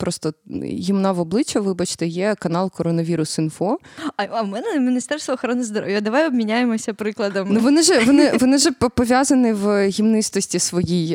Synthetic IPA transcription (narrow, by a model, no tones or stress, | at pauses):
pɾɔst̪ɔɦʲimnaʋɔblˠɪt͡ʃɐʋɪbɐt͡ʃt̪ɛjɛkɐnɑlˠkɔɾɔnɐʋʲiɾʊsɪnfɔɐɐmɛnɛmʲinʲist̪ɛrst̪ʋɔːxɔɾɔnɪzd̪ɔɾo̰ʋʲjʊɐd̪ɐʋajɔbmʲinʲajemɔsʲɐpɾɪklˠɐd̪ɐmnuʋɔnɪʒɛʋɔnɪʋɔnɪʒɛpɔʋʲjazɐnɪʋɦʲimnɪst̪ɔsʲtʲisʋɔjij